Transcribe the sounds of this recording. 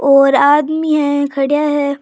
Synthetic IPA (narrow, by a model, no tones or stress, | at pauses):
ɔːɾaːd̪miɦɛ̃kʰɐɽijaɦɛː